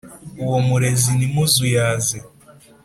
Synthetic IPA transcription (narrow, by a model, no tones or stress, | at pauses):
uwomuɾezinimuzujaːze